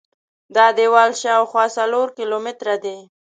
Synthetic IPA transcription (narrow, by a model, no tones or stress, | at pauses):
d̪ɑd̪ewɑlʃɑwxwɑsaloɾkɪlomɪt̪ɾad̪e